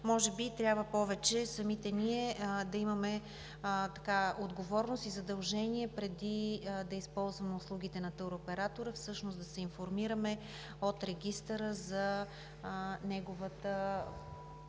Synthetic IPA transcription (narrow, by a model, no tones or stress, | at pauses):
mɔʒɛbit̪ɾʲabvəpɔvɛt͡ʃɛsɐmit̪ɛniɛd̪ɐimɐmɛ | t̪ɐkaod̪ɡovɔɾnost̪izɐd̪ɐlˠʒɛniɛpɾɛd̪id̪ɐispɔlˠzvɐmɛʊslˠuɡit̪ɛnɐt̪əɾopɛɾat̪oɾəfsɤʃnosd̪ɐsɛinfoɾmiɾəmɛ | ot̪ɾɛɡʲist̪əɾəzɐ | nɛɡovət̪ə